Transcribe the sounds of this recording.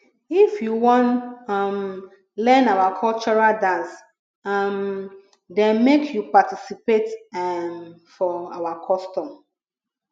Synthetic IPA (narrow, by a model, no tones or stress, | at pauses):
ifjuwɔ̃nm | lɛ̃nawakʰɔlt͡ʃɔɹaldãns | m | dɛ̃nmekʰjupatisipetmfɔawakʰɔstɔ̃m